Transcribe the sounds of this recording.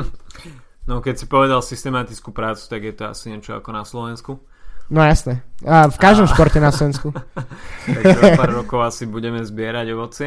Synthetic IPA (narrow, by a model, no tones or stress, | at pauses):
nɔkɛcsipɔʋɛd̪alsist̪ɛmat̪it͡skupɾaːt͡su̥t̪aɡjɛt̪ɔa̰siɲɛt͡ʃɔa̰kɔnaslɔʋɛnsku | nɔjasnɛfkaʒd̪ɔmʃpɔɾcɛnaslɔʋɛnsku | apaːɾːɔkɔʊasibuɟɛmɛzbɪɛɾaɟɔʋɔt͡sɪɛ